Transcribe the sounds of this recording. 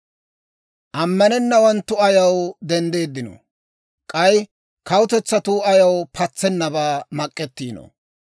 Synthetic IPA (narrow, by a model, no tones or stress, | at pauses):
ʔɐmːɐnɛnːɐwɔnt̪ːʊɐjɐwd̪ɛnd̪e̞ːd̪ːɪno̰ | kʼɐj | kɐwʊt̪ɛt͡sːɐt̪uːɐjɐwpʰɐt͡sːɛnːɐbaːmɐkʼːɛt̪ːiːno̰